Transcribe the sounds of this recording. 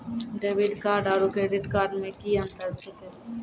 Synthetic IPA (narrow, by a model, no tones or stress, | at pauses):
ɖeːʋɪɖkaːɾɖaːɾukɾeːɖɪʈkaːɾɖmẽkiə̃nt̪əɾsɪke